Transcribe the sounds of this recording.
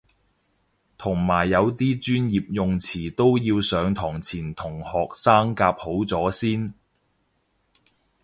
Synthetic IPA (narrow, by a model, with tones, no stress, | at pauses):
t̪ʰʊ˨˩ŋmaː˨˩jːɐ˨˧wt̪iː˥t͡ʃyː˥njiː˨p̚jʊ˨ŋt͡sʰiː˨˩t̪o˥wjiː˧wsœː˨˧ŋt̪ʰɔː˨˩ŋt͡sʰiː˨˩nt̪ʰʊ˨˩ŋhɔː˨k̚saː˥ŋkaː˧p̚ho˨˥wt͡sɔː˨˥siː˥n